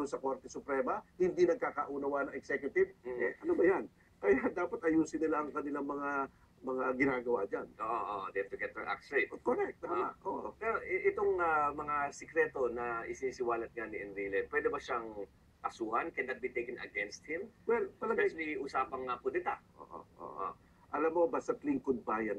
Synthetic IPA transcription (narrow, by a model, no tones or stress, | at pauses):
d̪ʊnsɐko̞ɾt̪ɛsʊpɾɛːmɐhɪnd̪inɐɡ̚kaːkɐʔunɐwanɐŋʔɛksɛkjʊt̪ɪb̩ʔɛʔɐnobɐjan | kɐjad̪aːpɐt̪ʔɐjuːsɪnɪlaʔɐŋkɐnɪlaŋmɐŋa | mɐŋaɡɪnaːɡɐwa̰d͡ʒanʔoːʔoʔod̪ɛt̪ʊɡɛt̪̚ɛɹʔa̰ksɹet̪ot̪̚koɾɛk̚t̪ːama̰ʔʔoʔpɛɾoʔɛʔɛt̪o̞ŋamɐŋasɛkɾɛːt̪o̞nɐʔɪsɪniːsɪwaːlɐt̪̚ŋanɪʔɛnɾilɛd̪pwɛːd̪ɛbɐʃaŋ | kɐsuːhɐnkɛnːɐt̪̚bit̪ejkɪŋɐ̰ɡɛnst̪̚hɪmwɛlpɐlɐɡaliʔʊsaːpɐŋːapʊd̪ɪt̪aʔo̰ːʔo̰ʔo̰ːʔo̰ | ʔɐlamːo̞bast̪ɐt̪lɪŋkod̪̚baːjɐn